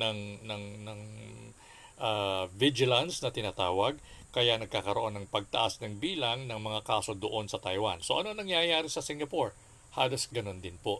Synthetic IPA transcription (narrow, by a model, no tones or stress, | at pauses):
nɐŋnɐŋnɐŋ | ʔavɪd͡ʒɪlɐnsnɐt̪ɪnaːt̪aːwɐɡ̚kɐjanɐɡ̚kaːkɐɾoʔo̞nːɐŋpɐɡ̚t̪ɐʔasnɐŋbiːlɐŋnɐŋmɐŋakaːso̞d̪oʔo̞nsɐt̪ɐjwanso̞ʔɐ̰no̞nɐŋjajaːɾɪsɐsɪŋɡɐpoɹ | haːlo̞sɡɐno̞nd̪ɪnpoʔ